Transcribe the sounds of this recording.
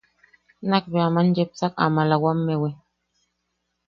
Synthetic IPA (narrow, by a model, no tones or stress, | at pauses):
nak̚beamand͡ʒɛp̚sak̚a̰malawamːɛwɛ